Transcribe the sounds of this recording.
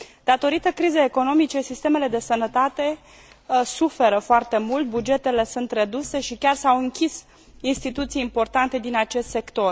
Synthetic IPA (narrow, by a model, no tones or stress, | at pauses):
d̪̥at̪o̞ɾit̪əkɾizəeko̞no̞mit͡ʃe̞sist̪e̞me̞le̞d̪e̞sənət̪at̪e̞ | sufe̞ɾəfoart̪e̞mult̪̚bud͡ʒe̞t̪e̞le̞sunt̪re̞d̪use̞ʃikʲarsawɨŋkʲis | inst̪it̪ut̪sijimpo̞rt̪ant̪e̞d̪inat͡ʃe̞st̪se̞kt̪o̞r